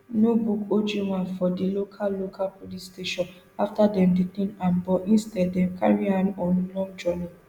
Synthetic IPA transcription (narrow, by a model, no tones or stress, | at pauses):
nobukod͡ʒiwãnfɔdilokʰalːokʰalpʰolisteʃɔ̃n | aftadɛ̃mditĩnãnbɔʔĩnstɛddɛ̃mkʰa̰ɹiãnɔ̃nlɔ̃ŋd͡ʒɔni